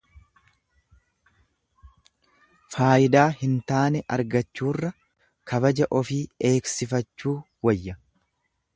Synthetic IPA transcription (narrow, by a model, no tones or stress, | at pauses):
faːʔɪd̪aːhɪnt̪aːnɛʔɐɾɡɐt͡ʃːuːrːɐ | kʰɐbɐd͡ʒɐʔɔfiːe̞ːksɪfɐt͡ʃːuː | wɐjːɐ